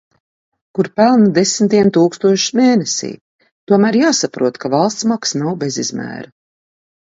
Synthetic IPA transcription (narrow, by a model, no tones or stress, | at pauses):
kuɾpælˠnud̪esmt̪iɛmt̪uːkst̪uɔʃu̥meːnesḭː | t̪uɔmæːɾjaːsapɾuɔt̪kavalˠst̪smaksnawbezḭzmæ̰ːɾa